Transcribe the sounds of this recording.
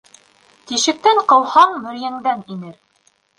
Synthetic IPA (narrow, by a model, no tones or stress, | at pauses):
t̪iʃɘ̆k̚t̪æɴqɤ̆lˠhɑɴmɵ̆ɾjæŋd̪æninɘɾ